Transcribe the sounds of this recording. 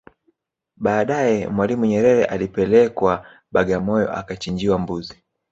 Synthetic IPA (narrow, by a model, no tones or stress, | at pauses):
ɓaːɗajɛmwalimuɲɛɾɛɾɛʔalipɛlɛkwa | ɓaɠamɔjɔ̰ʔa̰kat͡ʃiɲd͡ʒiwambuzi